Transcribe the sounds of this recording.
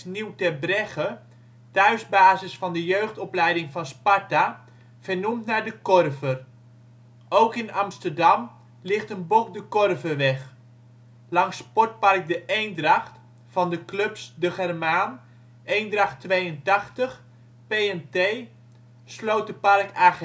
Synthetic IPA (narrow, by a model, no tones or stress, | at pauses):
niwtɛbrɛχə | tœɥzbaːzəsfɑndəjøɥχtɔplɛjdɪŋfɑnspɑɹta | v̥əɹnumtnaːɹdəkɔrvər | owkɪnɑmstərdɑm | lɪχtənbokdəkɔrvəʋɛχ | lɑŋspɔɹt̚pɑrk̚dəʔejndrɑχt | fɑndəklɵpsdəχɛrmaːn | ejndrɑχtʋejəntɑχtəχ | pejɛntej | slowt̚dəpɑrkʰaː